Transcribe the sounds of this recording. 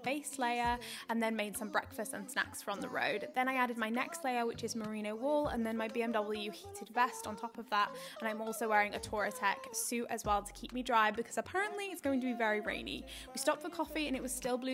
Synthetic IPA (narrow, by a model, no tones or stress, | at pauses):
b̥eɪsleɪə˞ə̃nðə̃nmeɪd̥sʌ̃mbɹɛ̰kfəstə̃nsna̰ksfəə̃nðə̰ɹo̰ʊd̪ðə̃ñaɪaɾɪd̚maɪnɛkstleɪə˞wɪt͡ʃɪzməɹĩnoʊwɔːlˠə̰̃nðə̃nmaɪbiɛ̃mdʌbl̩ˠjʉhiˑtʰɪdvɛstn̩tʰɒpəvðətə̃nãɪ̃mɔˑlˠsoʊwɛːɹɪ̃ŋətʰɔːɹɨtʰɛksʉə̰zwɛlˠtʰə̥kʰip̚midɹaɪbɪkʰʌz̥əpʰaɹə̃nʔliɪtsɡ̥oʊɪ̃ŋtʰəbivɛɹiɹḛ̃ɪ̃nḭ | wistɒp̚tfəkʰɒfiɨ̃ñɪʔ̚wɒz̥stɪlˠblʉ